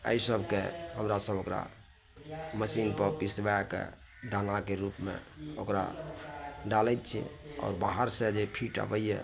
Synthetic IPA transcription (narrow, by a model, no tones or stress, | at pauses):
ə̰isəbʱkḛɦəmɾasəbʱokɾa̰ | məsinpəɾpisbakḛ | d̪anakeɾupmḛ̃okɾa̰ | ɖalɛt̪̚t͡ʃʰḭɔ̰ːɾbaɦəɾsẽd͡ʒepʰiʈa̰bəjɛ